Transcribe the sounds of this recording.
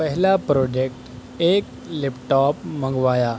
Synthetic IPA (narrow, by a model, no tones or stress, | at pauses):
pəɦlapɾoːd͡ʒek̚ʈ | eːk | lipʈɔːpmə̃ŋɡʋaːjaː